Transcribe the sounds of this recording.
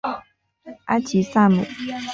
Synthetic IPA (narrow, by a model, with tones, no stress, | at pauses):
ʔa˥t͡ɕʰi˨sa˥˨mṵ˨˩